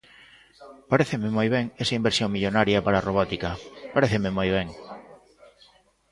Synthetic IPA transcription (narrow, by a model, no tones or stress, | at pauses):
paɾeθememojβeŋesaimbeɾsjoŋmiʎonaɾjapaɾaːroβɔt̪ikapaɾeθememojβ̞eŋ